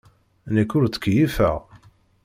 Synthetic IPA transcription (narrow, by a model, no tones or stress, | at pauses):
nəkːʊɾt͡sːə̥kːjifæ̰ʁ